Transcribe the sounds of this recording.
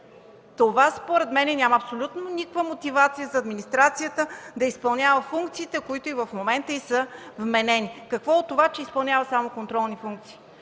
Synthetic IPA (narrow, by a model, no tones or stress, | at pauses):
t̪ovaspoɾɛt̪mɛnɛnʲaməɐpsolʲut̪nonʲikvəmot̪ivat̪sijəzɐːd̪minist̪ɾat̪sijət̪əd̪ɐispɐlˠnʲavəfuŋkt̪siːt̪ɛkoit̪oivəfmomɛnt̪əisəvmɛnɛnikɐkvɔot̪ːovat͡ʃɛispɐlˠnʲavɐsamokont̪ɾɔlˠnifuŋkt̪si̥ː